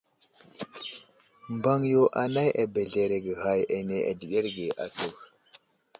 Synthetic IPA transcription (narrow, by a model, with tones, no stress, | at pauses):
mba˦ŋjo˦ʔa˨na˦jʔa˨be˨ɮe˨ɾe˨ɡə˨ha˦ja˨ne˨ʔa̰˨di˨ɗe˦ɾɡe˨ʔa˨to˦˨x